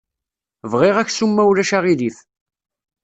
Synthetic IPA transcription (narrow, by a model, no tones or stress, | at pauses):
vʁɪʁæçsumːæwlæʃaʁiðiθ